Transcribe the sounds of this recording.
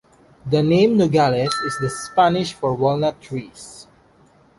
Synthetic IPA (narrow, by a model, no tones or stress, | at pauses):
d̪ənẽmnoɡalɛsɪsd̪əspanɪʃfɔɹwɔlnətʰɹis